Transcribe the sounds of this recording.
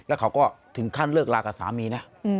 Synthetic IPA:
lɛ˦˥wkʰa˦˥wkɔː˥˩t̪ʰɯ˩˦ŋkʰaː˥˩nlɤː˥˩k̚laː˧kaː˨˩sa̰ː˩˦miː˧na˦˥ʔ

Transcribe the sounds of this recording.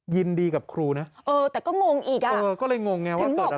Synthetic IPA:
ji˧ndiː˧ka˨˩p̚kʰɾuː˧na˦˥ʔɤː˧t̪ɛː˨˩kɔː˥˩ŋo˧ŋʔiː˨˩k̚ʔa˨˧ʔɤː˩˧kɔː˥˩lɤ˧jŋo˧ŋːa˦˥w̪aː˥˦˩ŋo˨˩t̪̚

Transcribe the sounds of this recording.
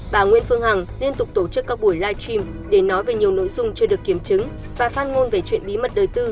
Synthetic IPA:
ɓaː˧˩ŋwḭ˧˥ənfɨ˧əŋha˨˩ŋli˧ənt̪ʊ˨˩k͡p̚t̪o˧˩t͡ɕɨ˦˥kːaː˦˥k̚ɓu˧˩əjlaː˧jt͡ɕwi˧m | ɗe˧˩nɔ˨˦jve˨˩ɲi˨˩əwno̰˧˥jzʊ˧ŋ͡mt͡ɕɨ˧əɗɨ˨˩əkːi˧˩əmt͡ɕɨ˨˦ŋ | vaː˨˩faː˧nŋo˧nve˨˩t͡ɕwḭ˧˨ənɓi˨˦mə˨˩t̚ɗəː˨˩jt̪ɨ˧

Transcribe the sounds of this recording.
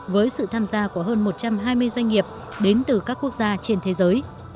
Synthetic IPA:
vəː˨˦jsɨ̰˧˨t̪ʰaː˧mzaː˧ku˧˩əɦəː˧nmo˨˩t̚t͡ɕa˧mɦaː˧jmɨ˧əjzwa˧jŋ̟ŋi˨˩əp̚ | ɗe˨˦nt̪ɨ˨˩kaː˦˥kːu˦˥ək̚zaː˧t͡ɕe˧nt̪ʰe˨˦zəː˨˦j

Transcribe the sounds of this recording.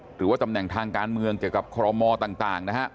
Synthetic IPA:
ɾɯː˩˦waː˥˩t̪a˧mnɛ˨˩ŋt̪ʰaː˧ŋkaː˧nmɯ˧əŋki˨˩əwka˨˩p̚kʰɔː˧ɔ˧mɔː˧t̪aː˨˩ŋt̪aː˨˩ŋna˦˥kʰa˦˥ʔ

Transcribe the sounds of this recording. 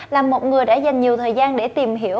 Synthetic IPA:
laː˨˩mːo˨˩t̚ŋɨ˨˩əjɗa̰ː˧˥za˨˩jŋ̟ɲi˨˩əwt̪ʰəː˨˩jzaː˧nɗe˧˩t̪i˨˩mɦi˧˩əw

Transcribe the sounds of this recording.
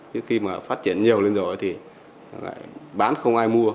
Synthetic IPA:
t͡ɕɨ˨˦xi˧maː˨˩faː˦˥t̚t͡ɕi˧˨ənɲi˨˩əwle˧nzɔ˨˩˨t̪ʰi˨˩ | la̰ː˧˨jɓaː˨˦nxə˧wŋ͡mʔaː˧jmu˧ə

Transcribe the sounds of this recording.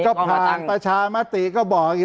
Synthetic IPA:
kɔː˥˩pʰaː˧˨˩npɾa˧t͡ɕʰaː˧ma˦˥˩t̪i˨kɔː˥˩bɔː˨˩k̚i˨˧˩

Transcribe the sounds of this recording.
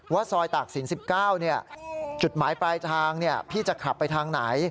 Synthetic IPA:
waː˥˩sɔː˧jt̪aː˨˩k̚si˩˦nsi˨˩p̚kaː˥˩wni˥˩ɐt͡ɕu˨˩t̪̚maː˩˦jpɾaː˧jt̪ʰaː˧ŋni˥˩ɐpʰiː˥˩t͡ɕa˨˩kʰa˨˩pːa˧jt̪ʰaː˧ŋna˩˦j

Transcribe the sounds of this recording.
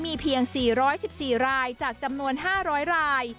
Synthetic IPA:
miː˧pʰi˧əŋsiː˨˩ɾɔː˦˥jsi˨˩p̚siː˨˩ɾaː˧jt͡ɕaː˨˩k̚t͡ɕa˧mnu˧ənɦaː˥˩ɾɔː˦˥jɾaː˧j

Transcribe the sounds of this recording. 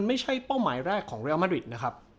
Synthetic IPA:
nma˥˩jt͡ɕʰa˥˩jpa˥˩wmaː˩˦jɾɛː˥˩kʰːɔː˩˦ŋɾe˧˥˧maː˦˥ɾi˨˩t̪̚na˦˥kʰɾa˦˥p̚

